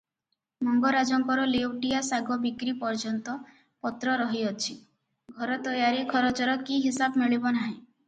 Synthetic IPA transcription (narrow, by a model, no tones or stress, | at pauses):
mɔŋɡɔɾad͡ʒɔŋkɔɾɔlewʈijasaɡɔbikɾipɔɾd͡ʒɔnt̪ɔ | pɔt̪ɾɔɾɔɦiɔt͡ʃʰi | ɡʱɔɾɔt̪ɔjaɾikʰɔɾɔt͡ʃɔɾɔkiɦisabmiɭibɔnaɦẽ